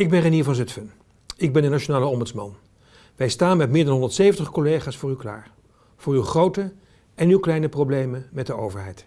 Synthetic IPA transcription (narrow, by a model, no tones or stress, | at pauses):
ɪɡ̚bɛnrɛniːɹvɑnzɵtfən | ɪɡ̚bɛndənat͡ʃonaːləɔmbətsmɑ̰n | ʋɛjstaːnmɛt̚mɪːɹdɑnɦɔndətsejvəntəχkolejχaːsfʊːɹywkla̰ːɹ | v̥ʊːɹywχrowtə | ɛnywklɛjnəprowblejmənmɛt̚dəowvəɹɦɛjt